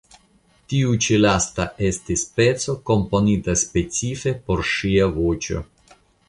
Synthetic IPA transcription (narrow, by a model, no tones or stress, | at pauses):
tiut͡ʃelastaʔe̞stispe̞t͡so̞ko̞mpo̞nitaspe̞t͡sife̞po̞ɾʃiavo̞t͡ʃo̞̰